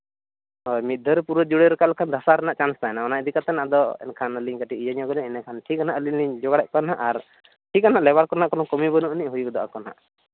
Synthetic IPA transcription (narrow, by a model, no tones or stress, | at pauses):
ɔjmit̪̚d̪ʱəɾpuɾəd͡ʒuɽeɾkalkʰand̪ʱasaɾɛnaʔt͡ʃanst̪aɛnaɔnaʔd̪ikat̪ɛnaʔd̪ɔɛ̰nkʰanəliɲkaʈiijaɲɔɡɔnɛɛnɛkʰanʈʰikanaʔlinid͡ʒɔɡaɽɛʔ̚kɔnaʔaɾ | ʈʰikanaʔlɛbaɾkɔɾnaʔkɔnɔkɔmibənuʔniʔɦujuk̚d̪ɔʔa̰kɔna̰ʔ